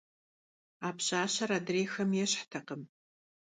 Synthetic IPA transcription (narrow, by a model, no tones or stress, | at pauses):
aːpɕaːɕɐɾaːdreːxɐmjɛɕħtʰɐqəm